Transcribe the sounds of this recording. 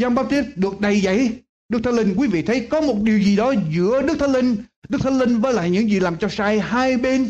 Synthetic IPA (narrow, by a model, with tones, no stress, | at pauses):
zaː˧ŋ͡mɓaː˦˥p̚t̪i˦˥t̚ɗɨ˨˩ək̚ɗə˨˩jzə̰˧˩j | ɗɨ˦˥k̚t̪ʰə˧˦nlï˧ŋ̟kwi˨˦vḭ˧˨t̪ʰə˨˦jkɔ˨˦mo˨˩t̚ɗi˨˩əwzi˨˩ɗɔ˨˦zɨ̰˧˥əɗɨ˦˥k̚t̪ʰə˦nlï˧ŋ̟ɗɨ˦˥k̚t̪ʰə˦nlï˧ŋ̟vəː˨˦la̰ː˧˨jɲɨ̰˧˥ŋzi˨˩laː˨˩mt͡ɕɔ˧saː˧jɦaː˧jɓe˧n